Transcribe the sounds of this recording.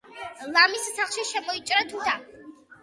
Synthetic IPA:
lˠamisːaχʃiʃɛmɔit͡ʃʼɾat̪ʰud̪ʰa

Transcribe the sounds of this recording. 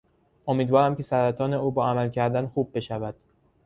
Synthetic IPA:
ʔo̞miːd̪vɒːɾæmcʲʰe̞sæɾæt̪ʰɒːne̞uːbɒːæmælcʰæɾd̪ænxuːb̚ːe̞ʃævæd̪̥

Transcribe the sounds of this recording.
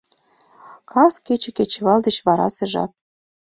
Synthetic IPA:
kʰɑsket͡ɕĕket͡ɕɘ̆βɑld̪ə̆t͡ɕβɑɾɑ̰sĕʒɑ̰p̚

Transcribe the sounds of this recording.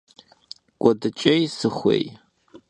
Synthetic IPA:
kʷʼɔdɨt͡ʃʼejsɨχʷḛj

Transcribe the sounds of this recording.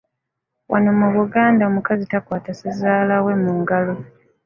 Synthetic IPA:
wʔa̰nomuβuɡaːndao̞mukazitakwaːtasezaːlawe̞muːŋɡalo

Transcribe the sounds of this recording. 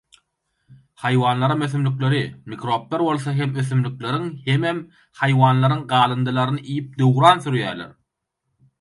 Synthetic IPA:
hɑjwɑːnlˠɑɾɯmøθymlykle̞ɾimikɾo̞p̚t̪eɾbo̞lˠθɑɦe̞møθymlykle̞ɾiŋhe̞mem | hɑjwɑːnlˠɑɾɯŋɢɑːlˠɯnd̪ɯlˠɑɾɯnɯʔijip̚d̪øwɾɑːnθyɾjæːɾlḛɾ

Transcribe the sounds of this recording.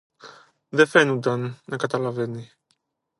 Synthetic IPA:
d̪ɛfɛnud̪annakat̪alavɛni

